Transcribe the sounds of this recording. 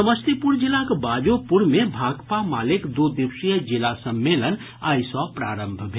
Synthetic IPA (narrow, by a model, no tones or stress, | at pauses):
əməst̪ipuɽd͡ʒilakbaːd͡ʒopuɾmebʱaːɡpamaːlikd̪od̪iwsijəd͡ʒilasəmːelən | aːjsɔpɾaːɾəmbʱbʱe